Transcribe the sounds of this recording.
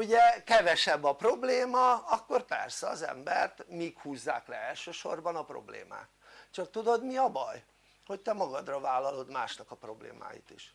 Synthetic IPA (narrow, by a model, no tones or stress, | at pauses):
uɟɛkɛvɛʃɛbːɒpro̞bleːmɒɒkːo̞rpɛ̰rsɛɒ̰zɛ̰mbɛrt̪mikhuːzːa̰ːklɛɛlʃøːʃo̞rbɒnɒpro̰blḛːma̰ːkt͡ʃɒk̚t̪ud̪o̞d̪miɒbɒ̰j | ho̞ct̪ɛmɒɡɒd̪rɒvaːlːɒlo̞d̪maːʃnɒkɒpro̞blḛːma̰ːjḭt̪iʃ